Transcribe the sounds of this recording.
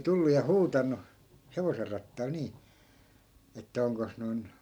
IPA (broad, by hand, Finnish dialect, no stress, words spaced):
tulːu jɑ huːtɑnːu heʋoser rɑtːɑil niː etːæ oŋkos noi̯n